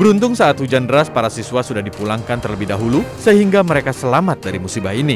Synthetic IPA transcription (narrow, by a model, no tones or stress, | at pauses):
bəɾunt̪ʊŋsaːt̪hud͡ʒandəɾaspaɾasiswasudahdipulaŋkant̪ərləbɪhdaɦulusəɦiŋɡaməɾekasəlamat̪̚daɾimusibahini